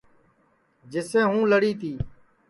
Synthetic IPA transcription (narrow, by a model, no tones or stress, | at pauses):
d͡ʒɪsẽːɦũːləɽiːt̪ʰiː